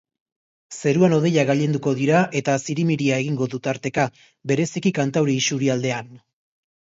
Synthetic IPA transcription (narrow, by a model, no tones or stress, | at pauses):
se̞ɾuano̞ð̞e̞ʎaɣaʎe̞nd̪uko̞ðiɾaʔe̞t̪asiɾimiɾiae̞ɣ̞iŋɡo̞ðut̪aɾt̪e̞ka | be̞ɾe̞sikikant̪awɾeisuɾiald̪e̞an